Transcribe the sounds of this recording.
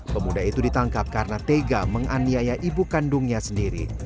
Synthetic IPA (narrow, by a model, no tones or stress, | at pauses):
pəmudaɦit̪udit̪aŋkap̚kaɾənat̪eɡaməŋaniajaʔibukandʊŋɲasəndiɾḭ